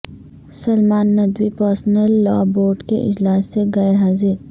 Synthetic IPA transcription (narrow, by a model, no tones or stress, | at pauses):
sɐlmaːnːɐd̪wipəɾsnəlːɔ̰ːboːɾɖkḛʔɪ̰d͡ʒlaːsːeɣɛːɾɦaːzɪɾ